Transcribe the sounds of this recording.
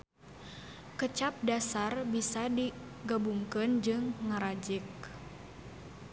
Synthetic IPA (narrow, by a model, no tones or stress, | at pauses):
kət͡ʃap̚dasarbisadi | ɡabuŋkɨnd͡ʒɨŋːəɾad͡ʒɪk̚